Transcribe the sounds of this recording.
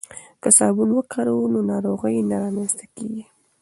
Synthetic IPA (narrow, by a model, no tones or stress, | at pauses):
kəsɑbunwəkʰaɾawnonɑɾoɣəjnaɾɑmanst̪akḛɡi